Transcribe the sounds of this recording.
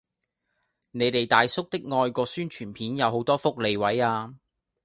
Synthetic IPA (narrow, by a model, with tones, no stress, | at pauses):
ne˨˧jt̪e˨jt̪aː˨jsʊ˥k̚t̪ɪ˥k̚ŋɔː˧jkɔː˧syː˥nt͡ʃʰyː˨˩npʰiː˨˥njɐ˨˧wɦo˨˧˥wt̪ɔː˥fʊ˥k̚le˨˧jwɐ˨˥jaː˧